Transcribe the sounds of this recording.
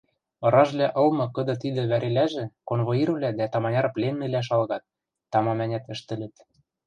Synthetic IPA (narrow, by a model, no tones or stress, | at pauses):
ɤ̆ɾɑʒβlʲæʔɤ̆lmɤ̆kɤ̆d̪ɤ̆t̪id̪ɘ̆βæɾelæʒɘ̆konβoiɾ̆βlʲæd̪æt̪ɑmɑnʲɑɾɤ̆plenmɘ̆læʃ̬ɑlɣɑt̪̚ː | ɑmɑmænʲæt̪ɘ̆ʃt̪ɘ̆lɘ̆t̪